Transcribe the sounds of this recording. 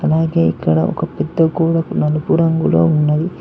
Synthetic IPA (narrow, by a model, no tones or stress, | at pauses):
ɐlaːɡeːikːɐɽɐ̰ʔɔ̰kɐpid̪ːɐkuːɽɐnɐlupuɾɐŋɡulo̰ːunːɐd̪i